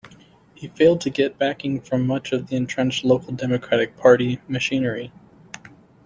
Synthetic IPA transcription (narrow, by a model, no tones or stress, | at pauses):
hifeɪlˠd̚tʰɨɡɛt̚b̥ækɪ̃ŋfɹʌ̃mːʌt͡ʃʌvðiɨ̃ntʰɹ̥ɛ̃nt͡ʃˡloʊkl̩ˠdɛmɨkʰɹ̥æɾɨk̚pʰɑɹɾimɨʃĩnə˞i